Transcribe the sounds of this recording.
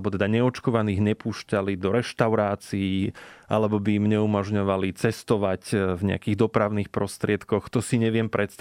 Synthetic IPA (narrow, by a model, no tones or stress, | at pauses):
bɔt̪ɛd̪aɲɛɔt͡ʃkɔʋaniːɣɲɛpuːʃcalid̪ɔɾɛʃt̪aʊɾaːt͡siiʔa̰lɛbɔbiimɲɛumɔʒɲɔʋalit͡sɛst̪ɔʋacvɲɛ̰a̰kiːɣd̪ɔpɾaʊniːxpɾɔst̪ɾɪɛt̪kɔxt̪ɔsiɲɛʋɪɛmpɾɛt̪st̪